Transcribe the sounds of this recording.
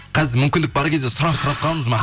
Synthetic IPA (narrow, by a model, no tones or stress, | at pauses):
qʰɑzɪɾmʏmkʲɪnd̪ɪk̚bɑɾkʲʰe̞zd̪esʊɾɑɴq̪ʰəɾɑp̪̚qʰɑlˠəməzmɑɦ